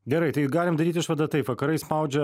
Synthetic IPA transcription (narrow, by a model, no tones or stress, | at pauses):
ɡʲɛɾɐɪt̪ɐɪɡɑːlʲɪmd̪ɐɾʲiːt̪ʲɪʃʋɐd̪ɐt̪ɐɪpʋɐkɐɾɐɪspɑˑʊd͡ʒʲɛ